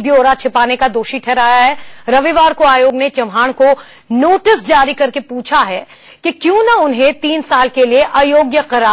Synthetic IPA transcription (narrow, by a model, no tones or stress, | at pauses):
bʱjoːɾat͡ʃʰɪpaːnekad̪oːʃiʈʰɛɾaːjaɦɛːɾɐʋiʋaːɾkoaːjoːɡnet͡ʃɐmɦaːɽ̃ko | noːʈɪsd͡ʒaːɾikɐɾkepuːt͡ʃʰaɦɛː | kikjũːnaʊnɦẽt̪iːnsaːlkelieʔaːjoːɡjəqɐɾaː